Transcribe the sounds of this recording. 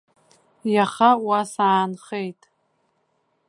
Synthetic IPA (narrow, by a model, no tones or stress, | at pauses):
jaχawasaːnχejtʼ